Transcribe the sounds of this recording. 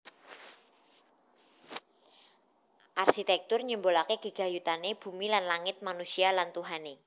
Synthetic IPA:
ʔarʃit̪ɛk̚t̪ʊrɲəmbolakeɡ̥ə̤ɡ̥a̤jut̪aneb̥ṳmilanlaŋɪt̪̚manusialant̪uɦane

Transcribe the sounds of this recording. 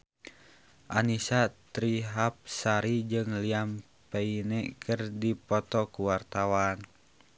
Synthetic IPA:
ʔanisat̪ɾiɦap̚saɾid͡ʒɨŋliam | pɛinɛkʰərdipɔt̪ɔkuwart̪awan

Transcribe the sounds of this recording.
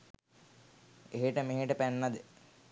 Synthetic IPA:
eɦeʈəmeɦeʈəpænːad̪ə

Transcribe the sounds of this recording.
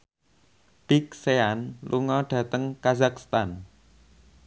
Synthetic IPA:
b̥ik̚seanlʔuŋɔɖ̥ä̤t̪əŋkazakst̪an

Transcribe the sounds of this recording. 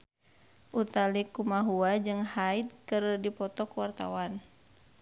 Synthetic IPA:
ʔut̪alikumaɦuad͡ʒɨŋhaid̪̚kɨrdipɔt̪ɔkuwart̪a̰wan

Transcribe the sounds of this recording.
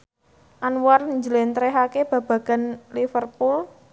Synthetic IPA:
ʔanwarɲd͡ʒəlent̪ɾɛɦakeb̥ä̤b̥ä̤ɡ̥a̤nlifərpul

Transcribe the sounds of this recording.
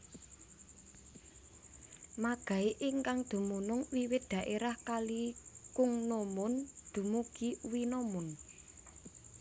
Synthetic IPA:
maɡ̥a̤iʔiŋkaŋd̪̥ṳmunʊŋwiwɪt̪̚d̪̥ä̤ʔeɾahkalikʊŋnomʊnd̪̥ṳmuɡ̥iwinomʊn

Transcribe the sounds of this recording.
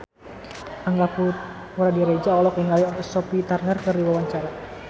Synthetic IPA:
ʔaŋɡapu | wɾadiɾed͡ʒaɔlɔkiŋaliɔnsɔpit̪arnərkərɾiwawaɲt͡ʃaɾa

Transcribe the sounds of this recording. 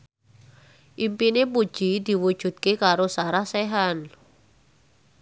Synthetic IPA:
ʔimpinepud̥ʒ̥id̪̥i̤wud̥ʒ̥ṳd̪̚kekaɾosaɾahsɛɦan

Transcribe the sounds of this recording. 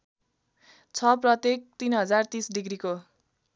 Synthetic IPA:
t͡sʰʌprʌt̪ek̚t̪inɦʌd͡zart̪ĩsɖiɡriko

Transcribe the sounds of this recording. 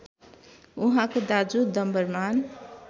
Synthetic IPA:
uɦãkod̪ad͡zud̪ʌmbʌrman

